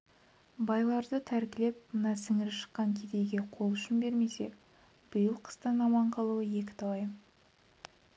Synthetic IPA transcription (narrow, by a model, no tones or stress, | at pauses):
bɑjlˠɑɾd̪ət̪ʰæɾkʲɪle̞p̚mənɑsɪŋɪɾɪʃə̥qːɑŋkʲʰed̪e̞jɡʲe̞qʰo̞lˠʏʃɪnbe̞ɾme̞se̞ | b̥ʊjəlˠqʰə̥st̪ənɑmɑɴqʰɑlˠuwəje̞k̬ʲɪ̥t̪ʰɑwɑjə